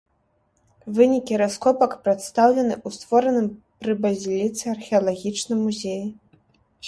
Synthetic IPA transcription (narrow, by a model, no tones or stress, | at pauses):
vɨnʲikʲiɾaskɔpɐkpɾɛt̪st̪awlʲɛnɨʔust̪vɔɾɐnɨmpɾɨbɐzʲlʲit̪sɨɐrxʲɛɐlˠaɣʲit͡ʂnɨmːuzʲeji